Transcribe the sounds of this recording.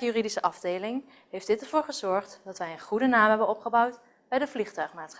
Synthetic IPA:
jyridisəʔɑvdejlɪŋ | ɦejfd̥ɪtəɹvʊːɹχəzɔɹχtdɑtʋɛjənχudənaːmɦɛbənɔpχəbʌwt | bɛjdəvliχtœɥχmaːtsχ

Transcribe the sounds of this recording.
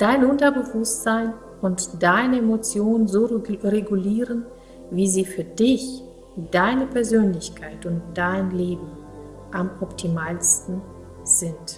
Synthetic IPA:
d̥aɪnʔʊntɐbəvʊstz̥aɪn | ʊntd̥aɪnəemot͡sjoːnənzoːʁeɡuliːʁən | viːziːfyːɐdɪç | d̥aɪnəpʰɛɐzøːnlɪçkʰaɪtʊnt̚d̥aɪnleːbm̩ | ʔamʔɔptʰimaːlstn̩ | z̥ɪnt

